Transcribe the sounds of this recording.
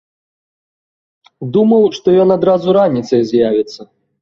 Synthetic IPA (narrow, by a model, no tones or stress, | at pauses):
d̪umɐwʂt̪ɔjɔnad̪ɾazuɾanʲit̪sɐjzʲjavʲit̪sːɐ